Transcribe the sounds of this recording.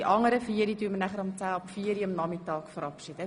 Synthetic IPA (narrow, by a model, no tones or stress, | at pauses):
iʔɑŋəɾəfiːəɾidyːəmənæχəɾɔmt͡sæːɔpfiːəɾiɔmnɑmitɑːkfɔɾɑpʃidə